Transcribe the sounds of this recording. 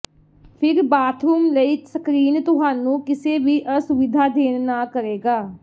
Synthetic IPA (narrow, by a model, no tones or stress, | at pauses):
pʰɪɾbaːt̪ʰɾuːmləiːsəkɾiːnt̪ʊɦaːnũːkɪseːbiːʔəsʊʋɪd̪ʱaːd̪ʱeːnnaːkəɾeːɡaː